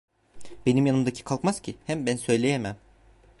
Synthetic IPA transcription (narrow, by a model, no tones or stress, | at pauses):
be̞nimjanɯmd̪acʰi̥kʰalˠkmaz̥cʰihæmbænsø̞jlʲejemæm